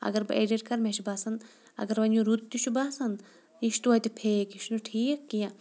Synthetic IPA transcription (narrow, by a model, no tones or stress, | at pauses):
ɐ̰ɡɐɾbʔeːɖiʈkɐɾmeʃubaːsɐn | ɐ̰ɡɐɾʋɐnuɾut̪t̪ːit͡ʃʰubaːsɐn | iʃt̪uɐt̪ipʰeːkiʃnuʈʰiːkːijã